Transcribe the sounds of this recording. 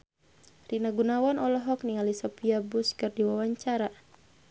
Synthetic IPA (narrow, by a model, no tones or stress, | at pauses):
rinaɡunawanɔlɔɦɔkniŋalisɔpiabuskɨrdiwawaɲt͡ʃaɾa